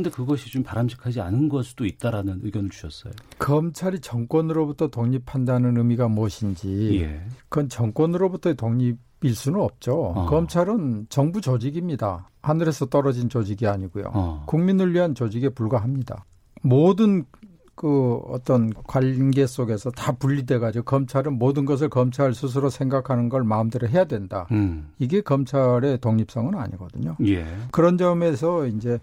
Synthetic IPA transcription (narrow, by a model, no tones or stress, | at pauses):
nde̞kɯɡʌɕʰit͡ɕompaɾamɕʰi̥kʰad͡ʑia̰nɯnɡʌsʰɯd̥oit̚t͈aɾanɯnɯ̰ɡjʌnɯɭt͡ɕu̥ɕʰʌs͈ʌ̰jokʌmt͡ɕʰaɾit͡ɕʌŋk͈wʌnɯɾobutʰʌtoŋɲipʰandanɯnɯmiɡamuʌɕʰind͡ʑijḛkɯʌnt͡ɕʌŋk͈wʌnɯɾobutʰʌtoŋɲibiɭs͈unɯnʌp̚t͡ɕ͈okʌmt͡ɕʰaɾɯnt͡ɕʌŋbut͡ɕod͡ʑiɡimɲida | hanɯɾe̞sʰʌt͈ʌɾʌd͡ʑint͡ɕod͡ʑiɡiaɲiɡujo̰kuŋminɯɭɥiɦant͡ɕod͡ʑiɡe̞puɭɡwaɦamɲida̰ | modɯn | kɯʌ̰t͈ʌnkwaʎɡe̞s͈oɡe̞sʰʌtapuʎːidwe̞ɡad͡ʑiɡokʌmt͡ɕʰaɾɯnmodɯnɡʌs̬ʰɯɭkʌmt͡ɕʰaɭsʰus̬ʰɯɾosʰe̞ŋɡakʰanɯnɡʌɭmaɯmdɯɾɯɦe̞jadwe̞ndaiɡe̞kʌmt͡ɕʰaɾe̞toŋɲip̚s͈ʌŋɯna̰ɲḭɡʌ̰dɯɲojekɯɾʌnd͡ʑʌme̞sʰʌind͡ʑe̞